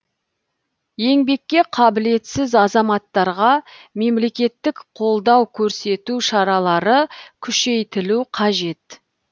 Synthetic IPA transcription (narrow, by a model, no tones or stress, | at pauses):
je̞ŋbe̞kʲːe̞qʰɑbɪle̞t̪sɪzɑzɑmɑt̪ːɑɾʁɑme̞mle̞kʲe̞t̪ːɪkqʰo̞lˠd̪ɑwkʲʰɵɾse̞t̪uʃɑɾɑlˠɑɾəkʲʰʏʃe̞jt̪ɪluqʰɑʒe̞t̪